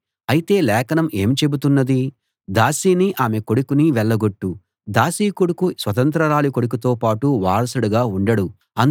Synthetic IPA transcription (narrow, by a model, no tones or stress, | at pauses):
ɐjit̪e̞ːlɛːkɐnɐme̞ːmt͡ʃe̞but̪̬unːɐd̪i | d̪aːsiːniʔaːme̞ko̞ɽukuniʋɛɭːɐɡo̞ʈːu | d̪aːsiːkoɽukusʋɐt̪ɐnt̪ɾɐɾaːlikoɽuk̬ut̪o̞ːpaːʈuʋaːɾɐsuɽuɡaːuɳɖɐɽu | ɐn